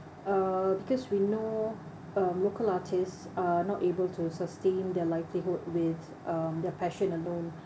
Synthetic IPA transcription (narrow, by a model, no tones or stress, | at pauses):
abikɔswino | amlokəlatʰɪstsanɔtebəltʰusəstẽnd̪ɛlaɪvliɦud̚wɪð | ʔʌmd̪ɛpʰɛʃə̃nəlõn